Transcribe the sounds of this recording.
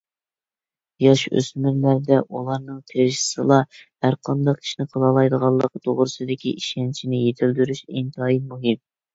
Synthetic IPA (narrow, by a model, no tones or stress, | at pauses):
jɑʃø̰smyɾlæɾd̪ɛʔulˠɑɾnɨŋt̪ʰeɾʃi̥sɨlˠɑhæɾqʰɑnd̪ɑqʰi̥ʃnɨqʰəlˠɑlˠɑjd̪əʁɑlˠːəqt̪ʰoʁɾɨsɨd̪ɪkʲḭʔiʃɛnt͡ʃʰinɪjet̪ʰɪld̪yɾyʃint̪ʰɑːjimuɦɪm